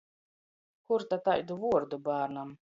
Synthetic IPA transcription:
kuɾt̪at̪ajd̪uvuɔɾd̪ubaːɾnam

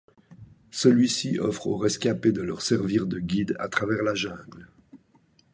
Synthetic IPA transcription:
səlɥisiɔfχo̰ʁɛskʲaped̪əlœʁsɛʁviʁd̪əɡʲid̪a̰t̪χavɛʁlaʒɛ̃ːɡl

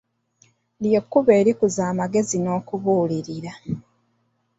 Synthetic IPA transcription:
ljekːuβe̞ːɾikuzaːmaɡe̞zino̞ːkuβuːliɾiɾa

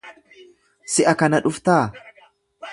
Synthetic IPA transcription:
sɪʔɐkɐnɐᶑʊft̪aː

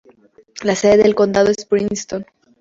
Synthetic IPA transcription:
laseðeðelko̞nd̪að̞o̞espɾinst̪on

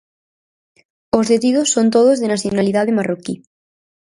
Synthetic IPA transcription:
ozðet̪iðosːont̪oð̞ozðenaθjonaliðaðemaroki

